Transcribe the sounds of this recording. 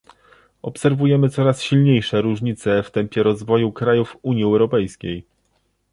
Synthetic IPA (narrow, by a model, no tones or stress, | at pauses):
ɔpsɛɾvujɛmɘt̪sɔɾasɕilɲejʂɛɾuʐɲit̪sɛft̪ɛmpʲjɛɾɔzvɔjukɾajufuɲjiɛwɾɔpɛjskʲej